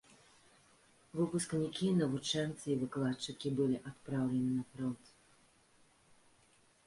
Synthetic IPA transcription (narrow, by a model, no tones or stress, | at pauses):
vɨpusknʲikʲinɐvut͡ʂɛnt̪sɨivɨklˠat͡ʂɨkʲibɨlʲiʔat̪̚pɾawlʲɛnɨnɐpɾɔnt̪